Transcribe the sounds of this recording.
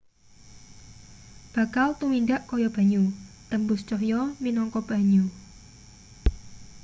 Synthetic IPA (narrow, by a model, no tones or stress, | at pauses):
b̥a̤kalt̪uminɖaʔkɔjɔb̥a̤ɲut̪əmbʊst͡ʃɔhjɔminɔŋkɔb̥a̤ɲu